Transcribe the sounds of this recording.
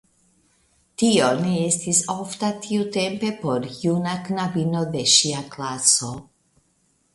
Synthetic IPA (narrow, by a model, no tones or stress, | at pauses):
tione̞estisoftatʰiute̞mpe̞po̞ɾjunaknavino̞de̞ʃiaklaso̞